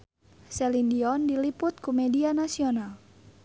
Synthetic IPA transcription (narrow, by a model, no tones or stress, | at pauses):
sɛlindiɔndilipʊt̪̚kumɛdianasioɔnal